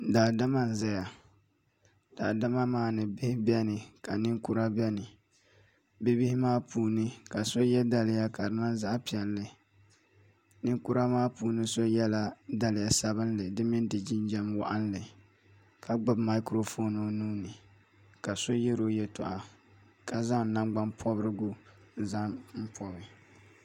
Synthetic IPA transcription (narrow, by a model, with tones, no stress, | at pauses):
daː˨da˦ma˦n̩˨zɛ˦ja˨ | d̥a˨da˦ma˦maː˦˨nɨ˨bɪ˦hɪ˦bɛ˦nɨ˨ka˨nɪ˦ŋku˦ɾa˦bɛ˦nɨ˨ | bɪ˦bɪ˦hɪ˦maː˦puː˨nɨ˦ka˨so˦jɛ˦da˦lɪ˨ja˦ka˨ɾɨ˨˦na˦za˦ʔpi˨ɛ˨lːɨ˨ | nɨ˦ŋku˦ɾa˦maː˦puː˨nɨ˦so˦jɛ˦la˦da˦lɪ˨ja˨sa˦βɨ˦nlɨ˨dɨ˦mɪ˦ndɨ˨d͡ʒɪ˦n˦d͡ʒɛ˦mwa̰˦ʔa˦n˦lɨ˨ | kʰa˨ɡ͡bʊ˨bma˦kɾo˦fo˦no˨nuː˦nɨ˨ | ka˨so˦jɛ˦ɾo˦jɛ˦tʊ̰˨ʔa˨ | ka˨za˦ŋ̩˨na˦mɡ͡ba˦mpʰɔ˦bɾɨ˦ɡu˦n˦za˦ŋm̩˦pʰɔ˦bɪ˨